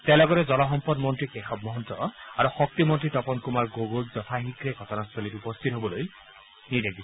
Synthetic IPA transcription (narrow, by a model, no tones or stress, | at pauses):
t̪elɔɡɔɾed͡zɔlɔɦɔmpɔdmɔntɹikexɔb̚mɔɦɔnt̪ɔaɾuxɔk̚t̪imɔntɹitɔpɔnkumaɹɡoɡold͡ʒɔt̪ʰaɦikɾeɡʱɔtɔnasɔlitupɔst̪ʰit̪ɦobɔloj | nidek̚d̪i